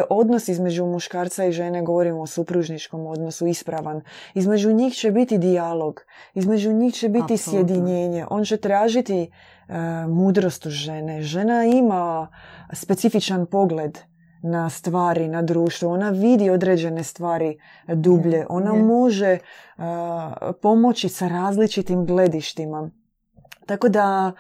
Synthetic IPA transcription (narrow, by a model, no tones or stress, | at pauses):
ʔo̞d̪no̞sizme̞d͡ʒumuʃkaːɾt̪saiʒe̞neɡo̞ʋo̞ɾimosupɾuʒnit͡ʃko̞mo̞d̪no̞suispɾaʋanizme̞d͡ʒuɲixt͡ɕe̞bit̪id̪ialo̞ɡizme̞d͡ʒuɲixt͡ɕe̞bit̪isjed̪iɲeːɲe̞ʔoːnt͡ɕe̞t̪ɾaːʒit̪i | muːd̪ɾo̞st̪uʒe̞ne̞ʒe̞naima | spet̪sifit͡ʃanpo̞ɡle̞d̪ | nast̪ʋaːɾinad̪ɾuːʃt̪ʋuonaʋid̪io̞d̪ɾeːd͡ʒe̞ne̞st̪ʋaːɾi | d̪uːbʎe̞ʔo̞namo̞ʒe | po̞mo̞t͡ʃisaɾaːzlit͡ʃit̪imɡle̞d̪iʃt̪ima | t̪ako̞d̪a